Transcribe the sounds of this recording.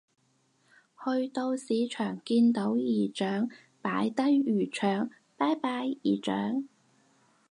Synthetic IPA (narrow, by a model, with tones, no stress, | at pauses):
hɵ˧ɥt̪o˧wsiː˨˧t͡ʃʰœː˨˩ŋkiː˧nt̪o˨˥wjiː˨˩t͡ʃœː˨˥ŋ | paː˨˥jt̪ɐ˥jyː˨˩t͡ʃʰœː˨˩ŋ | paː˥jpaː˧˥jiː˨˩t͡ʃœ̰ː˨˥ŋ